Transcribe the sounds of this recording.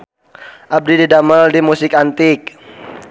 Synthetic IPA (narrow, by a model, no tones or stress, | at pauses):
ʔab̚dididaməldimusɪkant̪ɪk̚